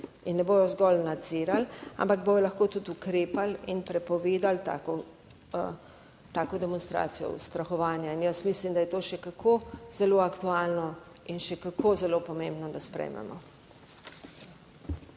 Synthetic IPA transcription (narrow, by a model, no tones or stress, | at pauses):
inːɛboːjɔzɡɔlnad̪z̥iːɾala̰mpaɡbojɔlɐxkoːt̪ut̪ukɾeːpalinpɾɛpɔʋeːd̪alt̪a̰ːkɔ | t̪aːkɔd̪ɛmɔnst̪ɾa̰ːt̪sijɔ̰ṵst̪ɾaxɔʋaːnjainjəsmislimd̪ajɛt̪oːʃɛkakʰoːz̥ɛloakt̪uaːlnɔ | inʃɛkakʰoːzɛlopɔmẽmbnɔd̪aspɾɛ̰jmʔɛ̰mɔ